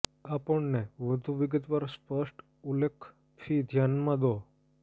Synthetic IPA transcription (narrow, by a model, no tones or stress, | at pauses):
apəɳneʋəd̪ʱuʋɪɡət̪ʋaɾspəʂʈ | ulekʰ | fʰid̪ʱjanmãd̪o